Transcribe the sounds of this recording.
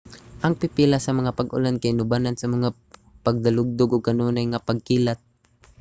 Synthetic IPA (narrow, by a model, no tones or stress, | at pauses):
ʔɐŋpɪpilasɐmɐŋapaɡʔʊ̰lankaɪnʊbanansɐmɐŋa | paɡ̚d̪alʊɡ̚d̪ʊɡʔʊɡ̚kɐnuːnajŋapaɡ̚kiːlat̪̚